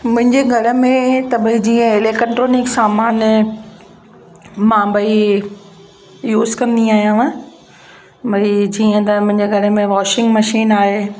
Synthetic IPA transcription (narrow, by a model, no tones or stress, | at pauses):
mʊ̃ɦɪ̃ɲd͡ʑeɡʱɐɽə̆mẽt̪ɐbɐid͡ʑiːə̃ɪleːkəʈɾoːnɪksaːmaːn | mãːbɐi | juːzkɐ̃nd̪iaːɦijã | bɐid͡ʑiːə̃t̪ɐmʊ̃ɦɪ̃ɲd͡ʑeɡʱɐɽə̆mẽʋɔːʃɪ̃ŋɡmɐʃiːnaːɦeː